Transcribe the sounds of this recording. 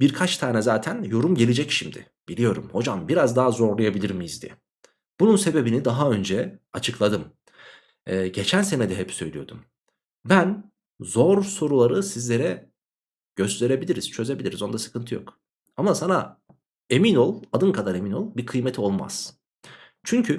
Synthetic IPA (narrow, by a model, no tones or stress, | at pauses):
biɾkʰat͡ʃt̪ʰaːnɛzaːt̪ʰænjo̞ɾumɟelʲed͡ʒɛcʃimd̪ɪ̰ | b̥ilʲijo̞ɾṵmho̞d͡ʒambiɾazd̪aɦazo̞ɾlˠajabilʲiɾmijizd̪iɛ | b̥ununse̞be̞binid̪aɦaø̞nd͡ʒɛat͡ʃʰɯklˠad̪ɯm | ɟe̞t͡ʃʰænse̞nɛd̪ɛɦɛpsø̞jlʲijo̞d̪um | bæn | zoɾso̞ɾulˠaɾɯsizlʲe̞ɾɛ | ɟ̥ø̞st̪ʰe̞ɾebilʲiɾiz̥t͡ʃʰø̞ze̞bilʲiɾizo̞nd̪asɯ̥kʰɯnt̪ʰɯjo̞̰k | amasana | e̞mino̞lˠad̪ɯnkʰad̪aɾe̞mino̞lˠbiɾkʰɯjmet̪ʰio̞lˠma̰z̥ | t͡ʃʰyɲcʰy